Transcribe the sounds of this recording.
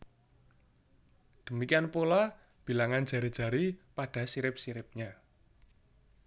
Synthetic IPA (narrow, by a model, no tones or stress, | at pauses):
d̪̥ə̤mikianpola | b̥i̤laŋand͡ʒ̥a̤ɾid̥ʒ̥ä̤ɾipaɖ̥ä̤siɾɪp̚siɾɪp̚ɲa